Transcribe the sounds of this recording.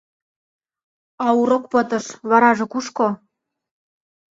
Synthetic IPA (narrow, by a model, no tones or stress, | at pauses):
ɑuɾokpɤ̆t̪ɤ̆ʃβɑɾɑʒɤ̆kuʃko